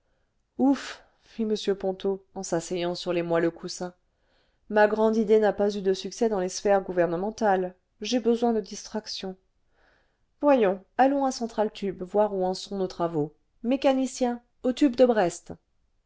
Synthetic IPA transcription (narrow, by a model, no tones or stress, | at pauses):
uf | fiməsjøpɔ̃t̪oɑ̃sasɛjɑ̃syʁlemwaləkʰusɛ̃ | maɡʁɑ̃d̪id̪enapazyd̪əsyksɛd̪ɑ̃lesfɛʁɡuvɛʁnəmɑ̃t̪al | ʒebəzwɛ̃d̪əd̪ist̪χaksjɔ̃ | vwajɔ̃alɔ̃asɑ̃t̪χalt̪ybvwaʁuɑ̃sɔ̃not̪χavo | mekanisjɛ̃ | ot̪ybd̪əbʁɛst̪